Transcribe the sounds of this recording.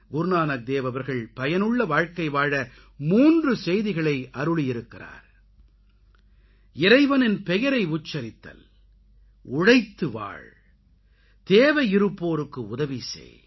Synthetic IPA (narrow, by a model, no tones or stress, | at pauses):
ɡʊɾnaːnɐk̚d̪eːʋɐʋɐɾɣɐɭpɐjɐnɯɭːɐʋaːɻkɐɪʋaːɻɐ | muːndrɯsɛjðɪɣɐɭɐɪʔɐɾɯɭɪjɪɾɯkːɪra̰ːɾ | ɪɾɐɪʋɐnɪnpɛjɐɾɐɪʊt͡ʃːɐɾɪt̪ːɐ̰l | ʊɻɐɪt̪ːɯʋa̰ːɭ | t̪eːʋɐjɪɾɯpːoːɾɯkːɯʊðɐʋisḛː